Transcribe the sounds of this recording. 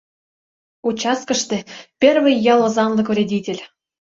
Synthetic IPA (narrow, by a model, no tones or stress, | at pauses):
ut͡ɕɑskə̆ʃt̪ĕpʲervɨjːɑlˠɤ̆zɑnlɤ̆kvrʲedʲitʲelʲ